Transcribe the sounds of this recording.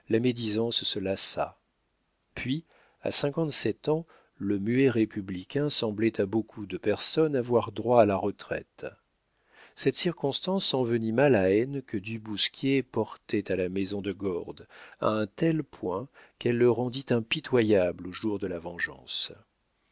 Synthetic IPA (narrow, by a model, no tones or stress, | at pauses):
lamed̪izɑ̃ssəlasa̰ | pɥi | a̰sɛ̃kɑ̃t̪sɛt̪ɑ̃ | ləmyɛʁepʰyblikʲɛ̃sɑ̃blɛt̪ʰabokʰud̪əpɛʁsɔnavwaʁd̪ʁwaːlaʁət̪χɛ̰t̪ | sɛt̪siʁkɔ̃st̪ɑ̃sɑ̃vənimalaɛnkəd̪ybuskʲjepɔʁt̪ɛt̪alamezɔ̃d̪əɡɔʁd̪a̰ɛ̃t̪ɛlpwɛ̃kɛlːəʁɑ̃d̪it̪ɛ̃pit̪wajabloʒuʁd̪əlavɑ̃ʒɑ̰̃s